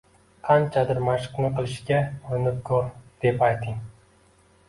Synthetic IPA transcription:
qʰɑnt͡ʃʰad̪ɪɾmaʃɨ̥qnɪqɨlˠɪʃkʲaʊnɪp̚kʰɵɾd̪̥e̞pajt̪ʰɪŋ

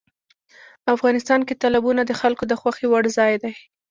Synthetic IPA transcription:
afɣɑnɪst̪ɑnket̪ɑlabunad̪əxalkod̪əxwaxewaɽzɑjd̪aj

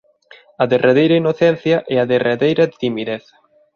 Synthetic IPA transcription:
ɐðerʔeðejɾɐinoθɛn̟θjɐʔɛɐðerʔeðejɾɐdɪt̪imiðɛθ

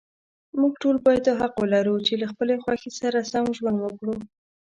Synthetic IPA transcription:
muɡ̚ʈolbɑjad̪oɦaqwəlaɾut͡ʃelaxpəlexwɑxesaɾasamʒwand̪wəkɽu

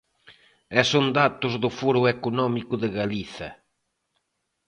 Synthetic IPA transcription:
ɛsond̪at̪ʊzðʊfɔɾʊekunɔmikʊðɪɣaliθɐ̰

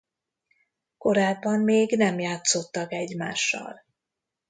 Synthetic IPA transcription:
ko̞ɾaːbːɒmmeːɡnɛmjaːt̪so̞t̪ːɒkɛɟmaːʃːɒ̰l

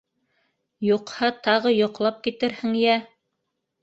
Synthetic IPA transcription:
juqhɑt̪ɑʁɤjŏqlˠɑp̚kit̪ɘɾhɘ̆ŋjæ

